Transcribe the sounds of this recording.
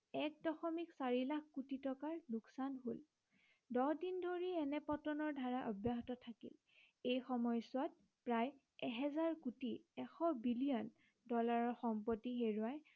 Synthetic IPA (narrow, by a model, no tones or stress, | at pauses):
ɛk̚dɔxɔmiksaɹilakkutitɔkaɹluksanɦol | dɔdindoɹiɛnɛpɔtɔnɔɹdʱaɹaʔɔbjaɦɔtɔtʰakḭl | ejxɔmɔjsʊat̚ | pɹaj | ɛɦɛzaɹkutiɛxɔbilijɔn | dɔlaɹɔɹxɔmpɔtiɦeɹuaj